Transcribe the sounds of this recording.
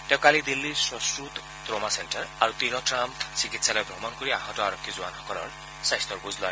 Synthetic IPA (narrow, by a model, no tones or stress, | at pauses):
t̪ewkalid̪ilːiswɔskɾut̪ | t̪ɾomasenʈɔɾaɾut̪iɾɔtɾampsikit̪salɔjbʱɾɔmɔnɔkɔɾiaɦɔtɔaɾɔkʰːizuanɦɔkɔlɔ̰ɾ | sajst̪ɔɾbuzʱlɔ